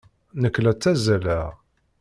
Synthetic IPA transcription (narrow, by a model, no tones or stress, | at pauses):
nəkːlæt͡sːæzælæ